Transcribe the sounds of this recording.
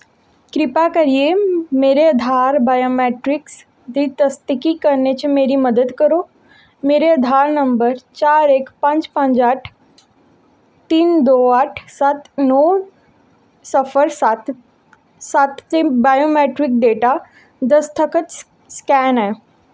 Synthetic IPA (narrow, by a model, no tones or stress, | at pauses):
kɾipakəɾijemeɾeəd̪ʱaɾbajomeʈɾiks | d̪it̪əst̪ikikəɾɳat͡ɕimeɾiːməd̪əd̪kəɾo | meɾeəd̪ʱaɾnəmbəɾt͡ɕaɾekpãɲt͡spãɲd͡ʑaʈʰ | t̪iːnd̪oaʈʰsat̪no | səfəɾsat̪ | sat̪t͡sebajomeʈɾik̚ɖeʈa | d̪əst̪ʰəkʰət̪ | skɛnɛ